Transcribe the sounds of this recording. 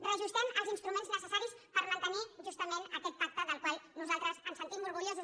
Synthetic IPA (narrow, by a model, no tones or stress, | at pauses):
rəʒust̪ɛməlˠzinst̪ɾumẽnznəsəsaɾispəɾmənt̪əniʒust̪əmenəkɛt̪̚pak̚t̪əðəlˠkwalˠnuzalˠt̪ɾəzənsənt̪imːuɾɣuɾjozus